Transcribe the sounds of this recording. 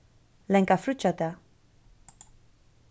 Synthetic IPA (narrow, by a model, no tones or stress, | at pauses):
leŋkafɾut͡ʃat̪a